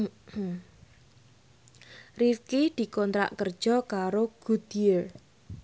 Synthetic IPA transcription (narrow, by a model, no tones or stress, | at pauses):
rifkid̪̥i̤kɔnt̪ɾa̰ʔkərd̥ʒ̥ɔkaɾoɡ̥ud̪̥iər